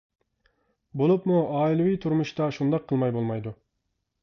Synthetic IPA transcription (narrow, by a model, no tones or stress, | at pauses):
bolˠupmuɑːilˠɨwijt̪ʰuɾmuʃt̪ɑʃund̪ɑqʰːəlˠmɑjbolˠmɑjd̪u